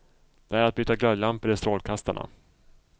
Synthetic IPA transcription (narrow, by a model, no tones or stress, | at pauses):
d̪̥ɛæɾat̪̚byːt̪ːaɡlœllampəɾɪst̪ɾoːlkʰast̪aɳa̰